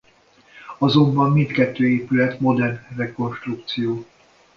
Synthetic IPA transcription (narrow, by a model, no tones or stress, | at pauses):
ɒzo̞mbɒmːint̪kɛt̪ːøːeːpylɛt̪mo̞d̪ɛrnrɛko̞nʃt̪rukt̪sijoː